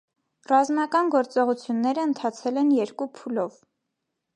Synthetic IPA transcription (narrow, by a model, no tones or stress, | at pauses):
rɑzmɑkɑnɡɔɾt͡sɔʁut͡sʰjunːɛɾəənt̪ʰɑt͡sʰɛlɛnjɛɾkupʰulɔv